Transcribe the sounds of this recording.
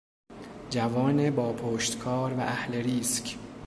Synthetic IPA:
d͡ʒævɒːnebɒːpʰoːʃt̪kʰɒːɾvæʔæhle̞ɾiːskʰ

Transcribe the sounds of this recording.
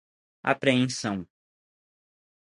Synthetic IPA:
a̰pɾeẽsɐ̃w̃

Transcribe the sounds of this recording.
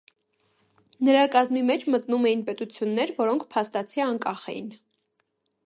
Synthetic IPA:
nəɾɑkɑzmimɛt͡ʃʰmət̪numɛjinpɛt̪ut͡sʰjunːɛɾvɔɾɔŋkʰpʰɑst̪ɑt͡sʰiɑŋkɑχɛ̰jḭn

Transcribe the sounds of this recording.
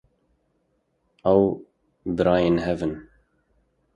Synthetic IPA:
ɛw | bɨɾɑːjeːnɦɛvɨn

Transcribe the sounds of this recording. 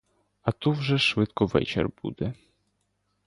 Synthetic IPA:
at̪uvʐɛʂvɪt̪kɔvɛ̰t͡ʃɛ̰rbṵd̪ɛ

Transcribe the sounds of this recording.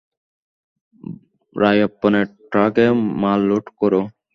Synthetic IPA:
ɾajɐpːɔneʈɾakemalːoʈkɔɾo

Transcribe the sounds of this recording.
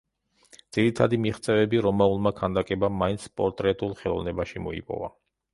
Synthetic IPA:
d̪z̥iɾit̪ʰad̪imiχt̪sʼɛvɛbiɾɔmaulˠmakʰand̪akʼɛbamːaint̪sʰpʼɔɾt̪ʼɾɛt̪ʼulˠχɛlˠɔ̰vnɛbaʃimɔḭpʼɔ̰va̰

